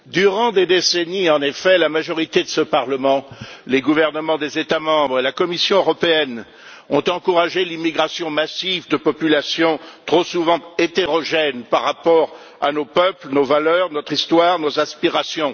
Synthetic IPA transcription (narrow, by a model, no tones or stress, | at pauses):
d̪yʁɑ̃d̪ed̪eseniɑ̃nefɛlamaʒɔʁit̪ed̪əsəpaʁləmɑ̃leɡuvɛʁnəmɑ̃d̪ezet̪amɑ̃bʁelakɔmisjɔ̃øʁɔpeɛn | ɔ̃t̪ɑ̃kuʁaʒelimiɡʁasjɔ̃masivd̪əpɔpylasjɔ̃t̪χosuvɑ̃et̪eʁɔʒɛnpaʁːapɔʁ | a̰nopœplnovalœʁnɔt̪χist̪waʁnozaspiʁasjɔ̃